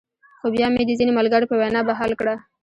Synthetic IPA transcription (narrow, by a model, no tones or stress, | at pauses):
xobjɑmed̪əzinemalɡəɽopəwajnɑbaɦɑlkɽa